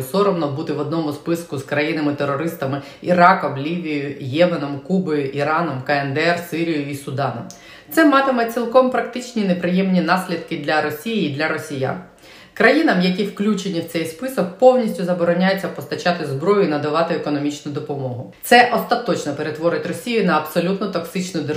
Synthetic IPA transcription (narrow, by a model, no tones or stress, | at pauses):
sɔɾɔmnɔbut̪ɪʋɔd̪nɔmʊspɪskʊskɾɐjinɐmɪt̪eɾɔɾɪst̪ɐmɪ | iɾɑkɔmlʲiʋʲijʊjɛmenɔmkubɔjʊʔiɾɑnɔmkɐɛnd̪ɛrsɪɾʲijʊisʊd̪ɑnɔ̰m | t̪sɛmɑt̪ɪmɛt͡sʲilˠkɔmpɾɐkt̪ɪt͡ʃnʲinepɾɪjɛmnʲinɑsʲlʲid̪kɪd̪lʲɐɾɔsʲijiːd̪lʲɐɾɔsʲija̰n | kɾɐjinɐmjɐk̬ʲiwklʲut͡ʃenʲiwt̪sɛjspɪsɔk̚pɔwnʲisʲtʲʊzɐbɔɾɔnʲajɛt͡sʲːɐpɔst̪ɐt͡ʃɑt̪ɪzbɾɔjʊinɐd̪ɐʋɑt̪ɪekɔnɔmʲit͡ʃnʊd̪ɔpɔmɔɦʊt̪sɛʔɔst̪ɐt̪ɔt͡ʃnɔpeɾet̪ʋɔɾɪtʲrɔsʲijʊnɐɐpsɔlʲut̪nɔt̪ɔksɪt͡ʃnʊd̪e